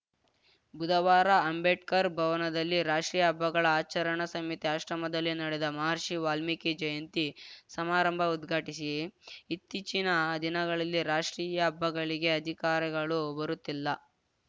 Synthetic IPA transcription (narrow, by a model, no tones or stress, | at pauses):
bud̪ɐʋaːɾɐɐmbeʈkɐɾbʱɐʋɐnɐd̪ɐlːiɾaːʂʈɾiːjɐɐbʱːɐɡɐɭɐaːt͡ʃɐɾɐɳɐsɐmit̪iaʃɾɐmɐd̪ɐlːinɐɽɛd̪ɐmɐɦɐɾʂiʋaːlmikid͡ʒɐjɐnt̪isɐmaːɾɐmbʱɐud̪ɡʱaːʈisiːt̪ːit͡ʃinɐd̪inɐɡɐɭɐlːiɾaːʂʈɾiːjɐːbːɐɡɐɭiɡe̞ɐd̪ʱikaːɾiɡɐɭubɐɾut̪ːilːɐ